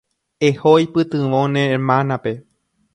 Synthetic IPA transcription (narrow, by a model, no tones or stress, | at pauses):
ehojpɨt̪ɨ̃ʋõnẽmãnape̞